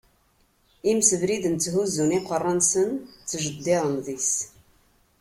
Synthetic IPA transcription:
imsəvɾid̪ənt͡s̪ːɦuzːuniqərˤːɑnsənt͡sːʒəd̪ːiðˤənðis

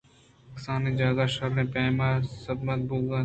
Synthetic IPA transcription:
ɐksaːnid͡ʒaːzaːʃɐɾːẽːpeːmaːsɐd̪mɐt̪̚buːɡaː

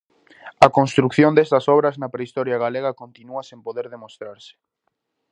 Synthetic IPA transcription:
ɐkonst̪ɾukθjond̪est̪ɐsɔβɾɐznɐpɾeist̪ɔɾjɐɣ̞aleɣ̞ɐkont̪inuɐsẽmpoðeɾðemost̪ɾaɾsɪ̥

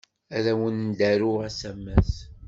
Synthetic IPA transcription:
æðæwənd̪æɾuæsæmːæs

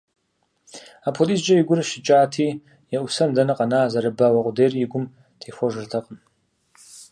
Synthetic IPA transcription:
apʰolisd͡ʒʼaiɡʷʊraʃɪt͡ʃʼaːtʰi | jaʔusandanɨqʼanaːzaɾɨbawaqʷʼʊderiɡʷʊm | tʰejxʷoʒɨrtʰaqʼən

